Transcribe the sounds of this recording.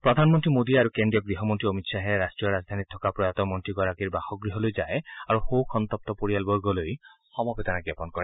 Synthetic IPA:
pɹɔd̪ʱanmɔnt̪ɹimod̪iaɾukendijɔɡɹiɦɔmɔnt̪ɹiɔmit̪saɦɛɾastɹijɔɾazd̪ʱanit̪ʰːɔkapɹɔjat̪ɔmɔntɹiɡɔɹakiɹbaxɔɡɹiɦɔlojd͡ʒajaɹuxowkʰɔnt̪ɔp̚t̪ɔpoijalbɔɹɡɔloj | xɔmɔbɛt̪anaɡɛpɔnkɔɹɛ

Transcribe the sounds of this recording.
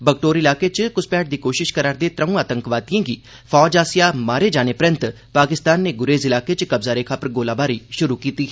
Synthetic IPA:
bəkʈoːɾɪlaːket͡ʃkʊspɛːʈ̚d̪iːkoːʃɪʃkəɾaːɾd̪eːt̪ɾəũaːt̪əŋkʋaːt̪ijãːɡiː | pʰɔːd͡ʒaːsijaːmaːɾeːd͡ʒaːneːpɾɪ̃nt̪ | paːkɪst̪aːnːeːɡʊɾeːzɪlaːket͡ʃkəbzaːɾeːkʰapəɾɡoːlaːbaːɾiːʃʊɾuːkiːt̪iːɦ

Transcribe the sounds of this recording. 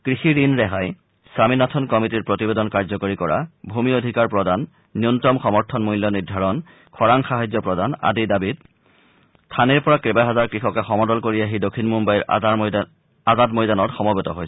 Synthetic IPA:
kɹixiɹinɹɛɦaj | saminatʰɔnkɔmitiɹpɹotibedɔnkaɹzɔkoɹikɔɹa̰bʱumiodʱikaɹpɹɔdanː | iuntɔmxɔmɔɹtʰɔnmujljɔnidʱaɹɔn | kʰɔɹaŋxaɦajzjɔpɹɔdana̰didabit̚ | tʰaneɹpɔɹakɹebajɦazaɹkɹixɔkɛxɔmɔdɔlkoɹiaɦidokʰːinmumbaiɹ | azadmojdanɔtxɔmɔbetɔ̰ɦojsɛ

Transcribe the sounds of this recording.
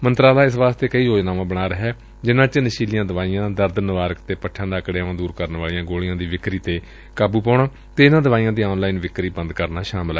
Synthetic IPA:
mənt̪ɾaːd̪aːɪsʋaːst̪eːkəiːoːd͡ʒnaːʋãːbəɽ̃aːɾəɦɛː | d͡ʒɪnãːt͡ʃənəʃiːlijãːd̪əʋaːijãːd̪əɾd̪nəʋaːɾəkt̪eːpəʈʰːãːd̪aːəkɽeaʋãːd̪uːɾkəɾnʋaːlɪjãːɡoːɭijãːd̪iːʋɪkɾiːt̪eː | kaːbuːpaːɳaː | t̪eːɪnãːd̪əʋaːijãːd̪iːɔːnlaːiːnʋɪkɾiːbə̃nd̪kəɾnaːʃaːməlɛ

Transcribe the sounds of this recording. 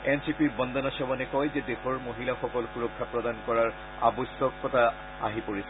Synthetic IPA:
ɛnsipibɔnd̪ɔnasɔwanɛkɔjzɛdexɔɹmoɦilaxɔkɔlxuɹɔkʰːapɹɔd̪ankɔɹaɹ | a̰bɔsɔkːɔta | a̰ɦipoɹisɛ

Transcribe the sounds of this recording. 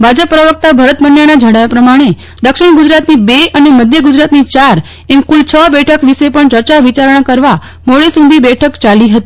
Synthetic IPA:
bʱad͡ʒəpːɾəʋək̚t̪abʱəɾət̪bənjanad͡ʒʱəɽajapɾəmaɽ̃e | d̪əkʃɪɳ̃ɡʊd͡ʒɾat̪nibeəneməd̪ʱjəɡʊd͡ʒɾat̪nit͡ʃaɾ | emkult͡ʃʰəbɛʈʰəkʋiʃepəɳt͡ʃəɾt͡ʃaʋit͡ʃaɾəɳ̃kəɾʋa | moɭisũd̪ʱibɛʈʰəkt͡ʃaliɦət̪i̥

